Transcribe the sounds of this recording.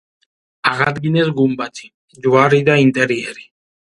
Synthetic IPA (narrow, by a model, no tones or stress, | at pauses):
aɣad̪ɡinɛs̬ɡumbat̪ʰi̥ | d͡ʒuaɾid̪aint̪ʼɛɾiɛɾi